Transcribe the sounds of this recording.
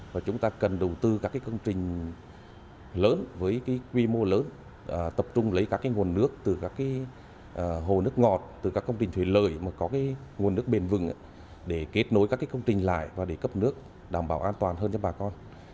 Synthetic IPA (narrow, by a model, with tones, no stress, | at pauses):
vaː˨˩t͡ɕʊ˨˦ŋ͡mt̪aː˧kə˨˩nɗə˨˩wt̪ɨ˧kaː˦˥kːaː˨˦kə˧wŋ͡mt͡ɕï˨˩ŋ̟ | ləː˨˦nvəː˨˦jkaː˨˦jkwi˧mo˧ləː˨˦n | ʔːt̪ə˨˩p̚t͡ɕʊ˧ŋ͡mlə˨˦jkaː˦˥kːaː˨˦jŋu˨˩ənːɨ˦˥ək̚t̪ɨ˨˩kaː˦˥kːaː˨˦j | ʔəː˧˩ɦo˨˩nɨ˦˥ək̚ŋɔ˨˩t̚t̪ɨ˨˩kaː˦˥kːə˧wŋ͡mt͡ɕï˨˩ŋ̟t̪ʰwi˧˩nlə̰ː˧˨˩jmaː˨˩kɔ˨˦kaː˨˦jŋu˨˩ənːɨ˦˥ək̚ɓe˨˩nvɨ̰˧˨ŋʔa̰˧˦ | ɗe˧˩ke˦˥t̚no˨˦jkaː˦˥kːaː˨˦jkə˧wŋ͡mt͡ɕï˨˩ŋ̟la̰ː˧˨jʔvaː˨˩ɗe˧˩kə˦˥p̚nɨ˦˥ək̚ | ɗaː˧˩mɓaː˧˩wʔaː˧nt̪waː˨˩nɦəː˧nt͡ɕɔ˧ɓaː˨˩kɔ˧n